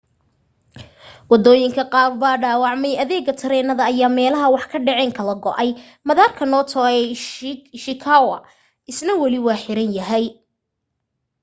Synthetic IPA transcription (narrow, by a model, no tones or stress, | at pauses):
wɑd̪ɔːjɪŋkʰɐqɑːrbaːɖaːwɑʕmɛjɐðɛːɡɐt̪ʰɐɾɛːnɐðɐːjaːmɛːlɐɦɐwɑħkʰɐɖɛʕɛːŋkʰɐlɐɡɔʔɐj | mɐðaːrkʰɐnɔːt̪ʰɔːɛ | ʃɪkʰaːwɐ | ʔɪsnɐwɐlɪwɑːħɪɾɐnjɐɦɛj